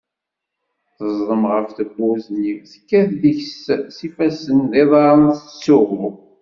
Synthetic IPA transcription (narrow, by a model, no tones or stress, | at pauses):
θəzˤːəmʁəfθəbːʊzniwθə̥kːæθðiçssifæsənðiðˤɑɾˤənθsːʊʁɾu